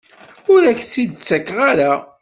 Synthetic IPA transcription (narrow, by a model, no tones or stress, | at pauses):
ʊɾæçsid̪t͡sːækːʁaɾa